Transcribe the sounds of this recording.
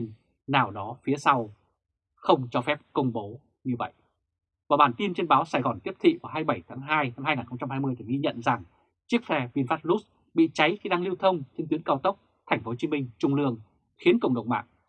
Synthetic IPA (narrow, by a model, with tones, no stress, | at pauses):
n | naː˨˩wɗɔ˨˦fi˨˦əsa˧w | xə˧wŋ͡mt͡ɕɔ˧fɛ˦˥p̚kə˧wŋ͡mɓo˨˦ | ɲɨ˧və̰˧˨jʔ | vaː˨˩ɓaː˨˩nt̪i˧nt͡ɕe˧nɓaː˨˦wsaː˧˩jɣɔ˨˩nt̪i˦˥əp̚t̪ʰḭ˧˨vaː˨˩ɦaː˧jɓə˧˩jt̪ʰaː˨˦ŋɦaː˧jna˧mhaː˧jŋaː˨˩nxə˧ŋ͡mt͡ɕa˧mhaː˧jmɨ˧əjt̪i˧˨˩ɣi˧ɲə̰˧˨nza˨˩ŋ | t͡ɕɨ˦˥ək̚fɛ˧vi˧ənfaː˦˥t̚lu˦˥t̚ | ɓḭ˧˨t͡ɕa˨˦jxi˧ɗaː˧ŋli˧əwt̪ʰə˧wŋ͡mt͡ɕe˧nt̪wi˨˦əkaː˧wt̪ə˦˥wk͡p̚ | t̪ʰɛ˨˩jŋ̟fo˨˦t͡ɕi˨˦mï˧ŋ̟t͡ɕʊ˧ŋ͡mlɨ˧əŋ | xi˨˦ənkə̰˧˩wŋ͡mɗə̰˧˨wŋ͡mma̰ː˧˨ŋ̚